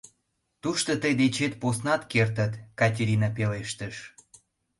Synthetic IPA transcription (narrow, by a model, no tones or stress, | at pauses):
t̪uʃt̪ot̪əjd̪et͡ɕet̪̚posnɑt̪kert̪ət̪kɑtʲeɾʲinɑpeleʃt̪əʃ